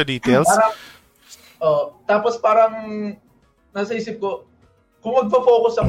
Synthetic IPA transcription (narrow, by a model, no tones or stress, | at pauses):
ɐd̪iːt̪ɛlaːɾɐ | ʔoːt̪aːpospaːɾɐŋ | naːsɐʔiːs̬ɪp̚ko | kʊŋmɐɡ̚pɐfo̞ːkʊsɐŋ